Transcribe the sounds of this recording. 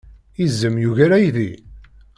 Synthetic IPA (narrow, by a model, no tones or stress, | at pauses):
izːəmjuʝæɾæjði